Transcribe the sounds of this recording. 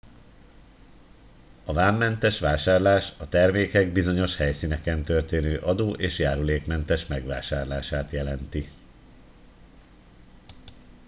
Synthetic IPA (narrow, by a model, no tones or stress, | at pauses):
ɒvaːmːɛnt̪ɛʃʋaːʃaːrlaːʃɒt̪ɛrmeːkɛɡ̚bizo̞ɲo̞ʃhɛjsiːnɛkɛnt̪ørt̪eːnøːʔɒd̪oːʔeːʃjaːɾuleːkmɛnt̪ɛʃmɛɡʋaːʃaːrlaːʃaːt̪jɛlɛnt̪i